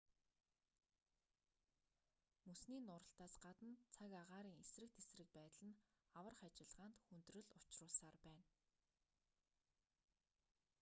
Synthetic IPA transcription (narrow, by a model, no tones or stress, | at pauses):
musniːnʊːɾə̆ɬt̪aːsɢat̪ə̆nt͡sʰakaʁaːɾiːŋesrɘ̆k̚t̪esrɘ̆k̚pæːt̪ɮə̆nawə̆rχat͡ɕɪ̆ɮʁaːnt̪xunt̪rɵ̆ɮʊt͡ɕrʊːɮsaːrpæːn